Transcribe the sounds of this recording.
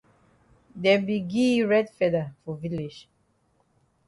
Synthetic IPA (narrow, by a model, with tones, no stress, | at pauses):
dɛ˨bi˨ɡi˦ɹɛdfɛda˨fɔ˨vili˨d͡ʒ